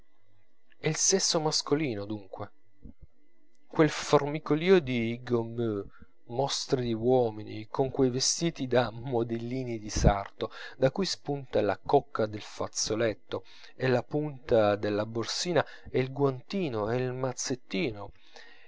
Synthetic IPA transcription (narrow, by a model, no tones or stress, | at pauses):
ɛilsesːomaskoliːnod̪uŋkwe | kwelformikoliːod̪iɡomø | mɔst̪ɾid̪iwɔːminikoŋkwejvest̪iːt̪id̪amod̪elːiːnid̪isart̪od̪akujspunt̪alakɔkːad̪elfat̪solet̪ːo | elapunt̪ad̪elːaborsiːna | ɛilɡwant̪iːnoeilmat̪sːet̪ːiːno